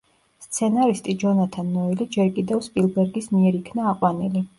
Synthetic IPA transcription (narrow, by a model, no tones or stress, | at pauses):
st̪sʰɛnaɾist̪ʼid͡ʒɔnat̪ʰanːɔɛlid͡ʒɛɾkʼid̪ɛvspʼilˠbɛɾɡismiɛɾikʰnaːqʼwanili